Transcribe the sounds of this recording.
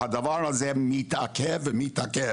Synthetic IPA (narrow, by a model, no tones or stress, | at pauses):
hadavaːɾazɛmitakʰɛvɪmitakɛ